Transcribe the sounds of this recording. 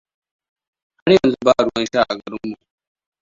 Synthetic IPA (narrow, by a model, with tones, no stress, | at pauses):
ha˦ɾjɐ˨nzu˦baː˦˨ɽʊ˦wɐ˦nʃaː˦˨ʔa̰˨ɡɐ˨ɽɪ˦mːu˨ʔ